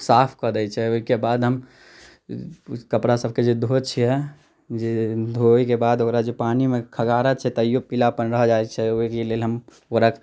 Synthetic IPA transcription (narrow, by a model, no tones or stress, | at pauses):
saːpʰkəɾd̪ɛit͡ʃʰɛokebaːd̪ɦəm | kəpɾasəb̚ʱked͡ʒod̪ʱot͡ʃʰɛɦɛ | d͡ʒed̪ʱoikebaːd̪okɾad͡ʒopaːnimẽkʰəɡaːɾət͡ʃʰɛt̪ɔijopilapənɾəɦd͡ʒaːet͡ʃʰɛoikeleːlɦəm | oɾək